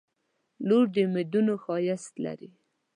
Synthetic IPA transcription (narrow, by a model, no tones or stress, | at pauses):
loɾd̪əmɪd̪unoxɑjast̪la̰ɾi